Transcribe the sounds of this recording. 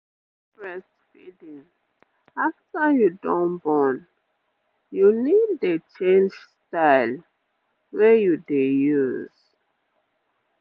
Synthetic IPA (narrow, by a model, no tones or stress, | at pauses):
pɹɛstfidĩŋ | aftajudɔ̃nbɔ̃n | juniddet͡ʃẽnd͡ʒstaɪl | wɛjudejuz̥